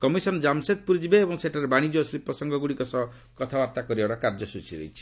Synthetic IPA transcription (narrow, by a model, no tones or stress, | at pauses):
kɔmisɔnd͡ʒamset̪̚puɾid͡ʒibeːbɔŋseʈʰaɾebaɽ̃id͡ʒoslipːɔsɔŋɡʱɔɡuɽikɔsɔ | kɔt̪ʰaaɾt̪akɔɾibaɽɔkaɾd͡ʒɔsut͡ʃʰiɾḛjt͡ʃʰi̥